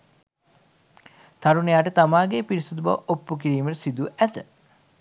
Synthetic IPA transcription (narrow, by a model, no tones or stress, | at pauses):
t̪ɐɾunejaːʈət̪amaːɡepiɾisud̪uba̰ʋopːuk̬iɾiːməʈsid̪uʔæt̪ə